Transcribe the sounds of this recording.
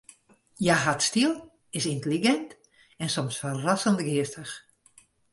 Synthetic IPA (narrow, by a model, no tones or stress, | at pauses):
jaɦatstilˠ | ɪsintəliɡɛnt | ɛnsɔmsfərasəndɡɪəstəx